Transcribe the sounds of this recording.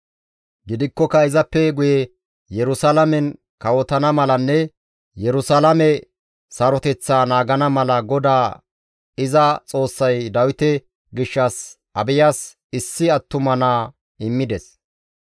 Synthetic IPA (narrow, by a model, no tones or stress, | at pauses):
ɡɪd̪ɪkːɔkɐɪzɐpːɛɡʊjɛ | jɛɾʊsalɐmɛn | kɐwɔt̪ɐnɐmɐlɐnːɛ | jɛɾʊsɐlɐmɛ | sɐɾɔt̪ɛt͡sːaːnaːɡɐnɐmɐlɐɡɔd̪aː | ɪzɐt͡sʼo̞ːsːɐjd̪ɐwɪt̪ɛ | ɡɪʃːɐs | ɐbɪjaːs | ɪsːɪɐt̪ːʊmɐnaː | ɪmːɪd̪ɛs